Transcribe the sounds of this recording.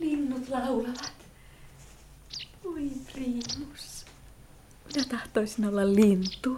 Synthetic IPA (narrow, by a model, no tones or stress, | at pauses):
linːut̪lɑulɑʋɑt̪ | uipriːmːus | minæt̪ɑht̪oisinolːɑllint̪ːˑu